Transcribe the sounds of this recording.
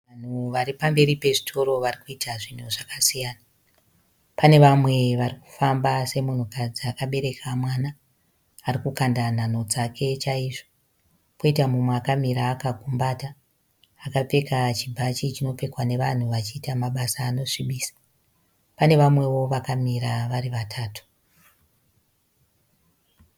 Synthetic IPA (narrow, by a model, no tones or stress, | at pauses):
an̤uʋaɾipambe̞ɾipe̞ʐitʰo̞ɾo̞ʋarikuitʰaʐin̤uʐakasijaːna | pane̞ʋamwe̞ʋariku̥fambase̞mun̤ukad͡ziakaɓe̞ɾekʰamwanaː | rikukandan̤ano̞d͡zakʰe̞t͡ʃaiʐo̥ | po̞itamumweakamiɾaːkaɡʱumbaːta | akap͡fe̞kat͡ʃibʱat͡ʃit͡ʃino̞pe̞kwane̞ʋan̤uʋat͡ʃiːtamaɓasaːno̞ʂiɓiːsḁ | pane̞ʋamwe̞wo̞ʋakamiɾaʋariʋatʰaːtu̥